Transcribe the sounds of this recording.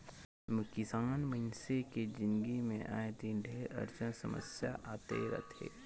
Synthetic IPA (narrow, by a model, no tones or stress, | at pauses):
məkisaːnmənseked͡ʒɪ̃nɡimẽʔa̰ːjt̪inɖʱeːɾɐ̰ɾt͡ʃənsɐmə̰sja̰ʔaːt̪ḛɾɐ̰t̪ʰḛː